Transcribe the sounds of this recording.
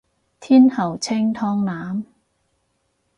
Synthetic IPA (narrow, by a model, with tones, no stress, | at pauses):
t̪ʰiː˥nhɐ˨˩wt͡sʰɪ˥ŋt̪ʰɔː˧ŋnaː˨˥m